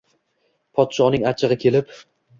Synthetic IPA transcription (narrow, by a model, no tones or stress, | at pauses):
pʰɒt̪ʃɒnɪŋat͡ʃʰɪʁɨkʲʰe̞lɪp